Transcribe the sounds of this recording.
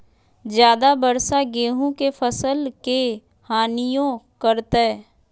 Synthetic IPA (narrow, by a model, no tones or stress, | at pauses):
d͡ʒjaːd̪abəɾsaɡeːɦũkefʰəsəlke | haːnijõkəɾt̪e